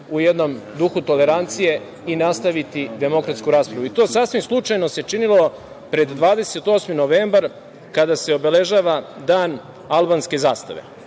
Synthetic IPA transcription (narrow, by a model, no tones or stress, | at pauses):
ujed̪no̞md̪uxut̪o̞le̞ɾant̪sije̞ | inast̪aʋit̪id̪e̞mo̞kɾat̪skuɾaːspɾaʋuit̪o̞ːsasʋimslˠut͡ʂajno̞se̞t͡ʂinilo | pɾe̞d̪d̪ʋaːd̪e̞se̞t̪o̞ːsmino̞ʋeːmbaɾ | kad̪ase̞o̞be̞le̞ʒaːʋad̪aːn | alˠbaːnske̞zaːst̪a̰ʋe̞̰